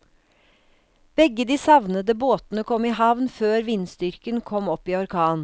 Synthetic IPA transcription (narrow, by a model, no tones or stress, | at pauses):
b̥ɛɡəd̪iːsɑʋnəd̪əboːt̪nəkʰɔmiːhɑʋnføːɾʋiːnsd̪ʏɾkənkʰɔmɔpiːɔɾkʰɑːn